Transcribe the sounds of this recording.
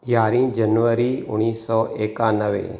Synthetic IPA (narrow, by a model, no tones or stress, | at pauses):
jaːɾĩːd͡ʒənʋəɾiːʊñiːsɔːʔeːkãːnəʋḛː